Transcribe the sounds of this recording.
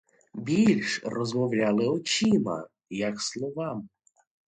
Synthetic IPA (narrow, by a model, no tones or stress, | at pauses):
bʲilʲʃrɔzmɔwlʲalˠɪɔt͡ʃimɐ̰ | jɐkslˠɔʋɑm